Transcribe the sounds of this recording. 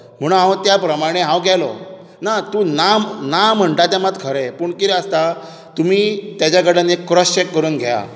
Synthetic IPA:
m̤əɽ̃ũɦãʋt̪japɾəmaɽ̃eɦãwɡʱjɛlɔ̰ | nat̪uːnamnam̤əɳʈat̪jamat̪kʰəɾɛpuːɳkiɾɛəst̪a | t̪umiːt̪jat͡ɕjaɡʱəɽaneekːɾɔst͡ɕekːəɾuːnɡʱjja̰

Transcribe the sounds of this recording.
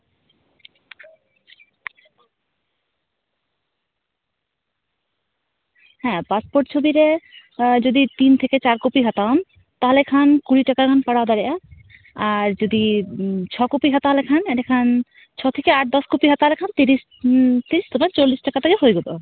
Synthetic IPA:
hɛ̃paspoʈt͡ɕʰobiɾe | d͡ʑod̪it̪int̪ʰeket͡ɕaɾkopiɦat̪aɔm | t̪aɦolekʰankuɾiʈakaɾkʰanpaɽaod̪aɾeʔa | aɾd͡ʑod̪it͡ɕʰɔkopiɦat̪aɦɔlekʰanɛʈekʰan | t͡ɕʰɔt̪ʰekeaʈ̚d̪ɔskopiɦat̪aɦɔlekʰant̪iɾis | t̪iɾist̪omaɾt͡ɕolːisʈakat̪akeɦojɡot̪o

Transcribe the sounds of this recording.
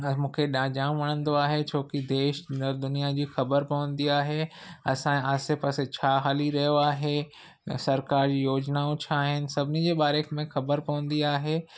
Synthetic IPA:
mũːkʰeɗãːd͡ʑãːmʋɐɽ̃ə̃nd̪oaːɦet͡ɕʰoːkid̪eːʃd̪ʊnijad͡ʑiːxɐbəɾpɐʋə̃nd̪iaːɦeɐsãaːsɪpɐset͡ɕʰaːɦaːliɾɐɦijoaːɦe | sɐɾkaːɾd͡ʑiːjoːd͡ʑnaʊ̃t͡ɕʰaːɦɪnɪ̆sɐbʱɪnid͡ʑeːɓaːɾekʰmẽxɐbəɾpɐʋə̃n̆d̪iaːɦeː

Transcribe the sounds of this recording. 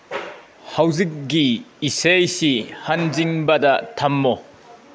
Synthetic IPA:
hɐwzik̚ɡiːsejsihɐnziŋbɐdɐtʰɐmːɔ

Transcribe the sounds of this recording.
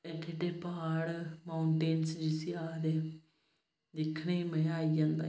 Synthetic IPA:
keːʈeːpaːɽmaːʊɳʈeːnsd͡ʒɪsiːaːd̪eː | d̪ɪkʰːɽeːmɛ̃ːaːid͡ʒãːnd̪a̰ː

